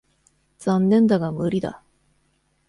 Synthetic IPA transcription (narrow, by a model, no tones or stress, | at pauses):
d͡z̥ãnːẽ̞nd̪aɡamɯ̟ɾʲid̪a̰